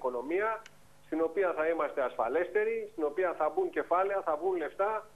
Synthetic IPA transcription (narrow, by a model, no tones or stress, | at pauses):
ko̞no̞miɐ | st̪ino̞piɐθɐimɐst̪e̞ɐsfɐle̞st̪e̞ɾist̪ino̞piɐθɐbuɲce̞fɐle̞ɐθɐvɣunle̞ft̪ɐ